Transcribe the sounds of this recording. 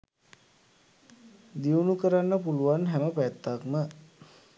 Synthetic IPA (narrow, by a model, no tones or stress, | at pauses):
d̪iunukəɾanːəpuluʋanɦæməpæt̪ːakmə